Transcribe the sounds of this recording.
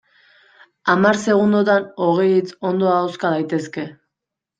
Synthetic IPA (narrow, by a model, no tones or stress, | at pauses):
amaɾse̞ɣ̞und̪ot̪ano̞ɣ̞e̞jit͡so̞nd̪o̞aːwskaðajt̪e̞ske̞